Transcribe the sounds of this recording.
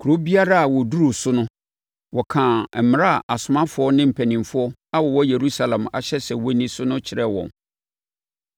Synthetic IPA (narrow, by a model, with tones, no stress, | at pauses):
kʰu˨ɾo˦bi˦a˦ɾa˦a˨wɔ˨du˦ɾu˨sʊ˦nʊ̃˦ | wɔ˨kʰã˨m˦ɾa˦˨ʔa˨sʊ˨mã˦fʊ˨˦ɔ˦nɪ̃˦m̩˨pʰæ˨nĩ˨mfʊ˦ɔ˦a˦wɔ˨wɔ˦je˨ɾu˦sa˦˨lɛ̃˨ma̰˨ɕɛ˦sɛ˨wɔ˦nĩ˦sʊ˦nʊ̃˦t͡ɕʰɪ˨ɾɛ˦wɔ̰̃˨n